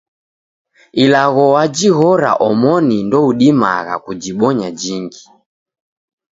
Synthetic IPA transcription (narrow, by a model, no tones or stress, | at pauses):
ilaɣɔwad͡ʒiɣɔɾa̰ʔɔmɔnindɔuɗima̰ɣa̰kud͡ʒiɓɔɲad͡ʒiŋɡi